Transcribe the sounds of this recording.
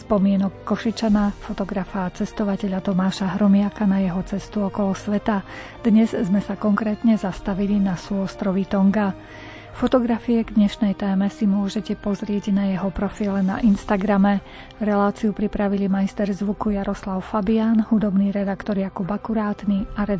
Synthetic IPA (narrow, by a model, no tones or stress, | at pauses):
spɔmɪɛnɔkːɔʃit͡ʃanafɔt̪ɔɡɾafaːt͡sɛst̪ɔʋacɛʎat̪ɔmaːʃaɦɾɔmɪakanajɛɦɔt͡sɛst̪uɔkɔlɔsʋɛt̪a | d̪̥ɲɛzzmɛsakɔŋkɾɛːt̪ɲɛzast̪aʋilinasuɔst̪ɾɔʋit̪ɔŋɡa | fɔt̪ɔɡɾafiɛɡd̪ɲɛʃnɛjt̪ɛːmɛsimʊɔʒɛcɛpɔzɾɪɛɟnajɛɦɔpɾɔfiːlɛna̰ʔinst̪aɡɾamɛ | ɾɛlaːt͡siupɾipɾaʋilimajst̪ɛɾzʋukujaɾɔslaʊfabiaːnhud̪ɔbniːɾɛd̪akt̪ɔɾjakubakuɾaːt̪niaɾɛ